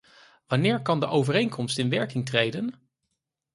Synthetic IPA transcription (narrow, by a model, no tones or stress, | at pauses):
ʋɑnɪːɹkɑndəʔowvərejŋkʰɔmstɪnʋɛɹkɪŋtrejdən